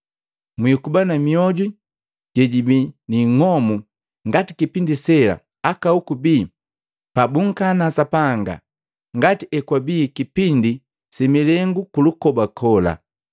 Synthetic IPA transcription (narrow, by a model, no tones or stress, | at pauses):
mwikubanamiɔɟu | ɟ̥ɛɟibiniŋɔmu | ŋɡatikipindisɛla̰ | akaukubiː | pabuŋ̩kanasapaŋɡa̰ | ŋɡatiɛkwabiːkipindi | similɛŋɡukulukɔbakʰɔla̰